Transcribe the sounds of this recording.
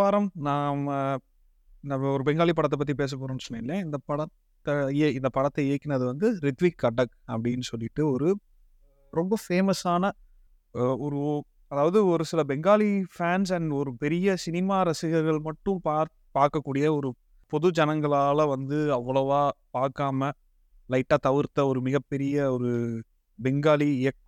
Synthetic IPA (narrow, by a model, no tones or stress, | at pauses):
aːɾɐmnaːmɐ | nɐɔɾɯbɛŋɡaːlipːɐɽɐt̪ːɐp̬ːɐt̪̬ːipeːs̬ɐp̬ːoːɾõːnːsɔnːeːnlɐjɐ̃ɪnd̪ɐpɐɽɐt̪ːɐɪnd̪ɐpɐɽɐt̪ːɐɪːkːɪnɐðɯʋɐnd̪ɯɾɪt̪ʋikːɐʈːɐk | ɐpːɐɽɪjnːɯsɔlːɪʈːɯɔɾɯ | ɾɔmbɐfeːmɐsaːnɐ | ɔɾɯ | ɐðaːʋɐðɯɔɾɯsɪlɐbɛŋɡaːlifaːns̬ɐnɔɾɯpɛɾɪjɐsɪnɪmaːɾɐsɪɣɐɾɣɐɭmɐʈːɯ̃mpaːɾ | paːɾkɐkːuːɽɪjɐɔɾɯ | pɔðɯd͡ʒɐnɐŋɡɐɭaːlɐʋɐnd̪ɯɐʋːɐɭɐʋaːpaːɾkaːmɐ | lɐɪʈːaːt̪ɐʋɪɾt̪ːɐɔɾɯmɪɣɐpːɛɾɪjɐɔɾɯ | bɛŋɡaːliɪjɐk̚